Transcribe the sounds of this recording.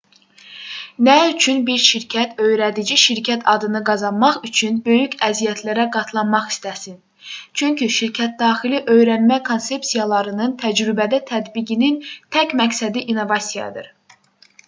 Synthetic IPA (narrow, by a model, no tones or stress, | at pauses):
næyt͡ʃʰynbiɾʃiɾcʰæt̪ʰø̞jɾæd̪id͡ʒiʃiɾcʰæt̪ʰɑd̪ɯnɯɡɑzɑnmɑχyt͡ʃʰynbø̞jycʰæzijæt̪ʰlæɾæɡɑt̪ʰlˠɑnmɑχi̥st̪æsin | t͡ʃʰyɲcʰyʃiɾcʰæt̪̚d̪ɑːxiliʔø̞jɾænmækʰonse̞psijɑlˠɑɾɯnɯnt̪ʰæd͡ʒɾybæd̪æt̪ʰæd̪biɟinint̪ʰæcmæksæd̪iʔino̞vɑsijɑ̰d̪ɯ̰ɾ